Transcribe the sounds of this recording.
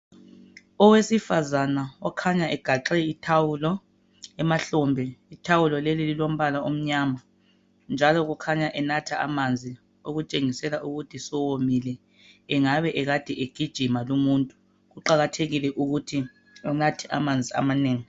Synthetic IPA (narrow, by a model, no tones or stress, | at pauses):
ɔwesifazanaɔkʰaɲaʔɛɡ̥ʱaǁɛitʰawulɔ | ɛmaɬɔmbʱɛitʰawulɔlelililom̩βalaʔom̩ɲaːma | nd͡ʒʱalɔɣukʰaɲaʔɛnatʰaʔa̰mand͡zʱi | oɣut͡ʃʼeŋisɛlaʔuɣutʰisɔwomilɛː | ŋaβɛʔɛɣad̥ʱɛʔeɡ̥ʱid̥ʒ̥ʱimalumuntʼu | ɣuǃaɣatʰeɣilɛʔuɣutʰi | ɔnatʰɛʔa̰mand͡zʱia̰maneːŋi